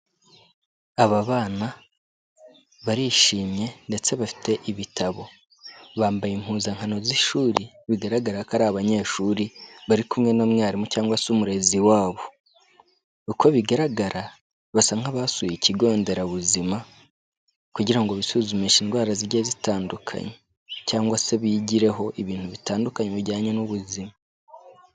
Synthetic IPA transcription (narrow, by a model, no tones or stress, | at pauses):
aβaβaːna | βaɾiʃiːmɲe̞nde̞t͡se̞βafi̥te̞ʔiβitaβo̞ | βaːmbajim̥huːzaŋhano̞ziʃuːɾi | βiɡaɾaɡaɾakaɾaaβaɲe̞ːʃuːɾiβaɾikumŋe̞no̞mŋaːɾimucaːŋɡwasumuɾe̞ziwaːβo̞ | ukoβiɡaɾaɡaɾa | βasaŋaβasujiciɡo̞ːnde̞ɾaβuzima | kuɟiɾaŋɡo̞βisuzumiʃiːnɡwaːɾaziɾɟezitaːndukʰa̰ɲe | caːŋɡwase̞βiːɟiɾe̞ɦo̞iβiːntuβitaːndukaɲeβiɟaːɲenuβuzima